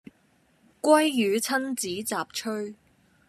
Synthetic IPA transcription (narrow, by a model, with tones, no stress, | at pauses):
kʷɐ˥jːyː˨˧t͡sʰɐ˥nt͡siː˨˥t͡saː˨p̚t͡ʃʰɵ˥ɥ